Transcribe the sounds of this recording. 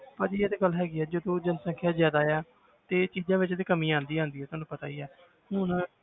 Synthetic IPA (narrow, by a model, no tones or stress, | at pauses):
pəd͡ʒiːeːd̪eːɡəlːɦɛːɡiːɛːd͡ʒoːd̪õːd͡ʒənsə̃ŋkʰjaːzjaːd̪aːjaː | t̪eːt͡ʃiːd͡ʒãːʋɪt͡ʃːd̪eːkəmiːãːnd̪iːãːnd̪iːɛt̪ʊɦãːnũːpət̪aːiːɛː | hʊn